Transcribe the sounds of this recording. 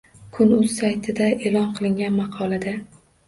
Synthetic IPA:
kʰʊnʊz̥sajt̪ʰɪd̪aelɒnqʰɨlˠɪŋɡʲanmɑqʰɒlˠad̪a

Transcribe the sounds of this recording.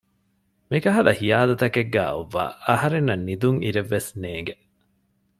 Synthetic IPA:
mikɐɦɐd̪ɐhijaːd̪ɐt̪ɐkeɡːæ̰ːoʋːa̰ːɐhɐɾenːɐnːid̪uŋʔiɾeʋːesneːŋɡe

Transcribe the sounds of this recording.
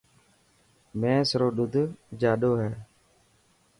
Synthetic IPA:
mɛ̃ːsɾoːɗʊd̪ʱd͡ʒaːɗoːɦɛː

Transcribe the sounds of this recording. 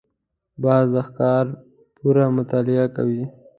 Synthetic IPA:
bɑzd̪axkɑɾ | puɾamʊt̪ɑlɪaka̰wi

